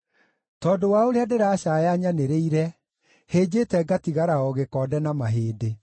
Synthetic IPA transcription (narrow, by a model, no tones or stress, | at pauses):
tɔːdowaoɾeadeɾaɕajaɲaneɾeiɾɛ | heːd͡ʑetɛɡatiɣaɾaɔɣekɔːdɛnamaɦeːde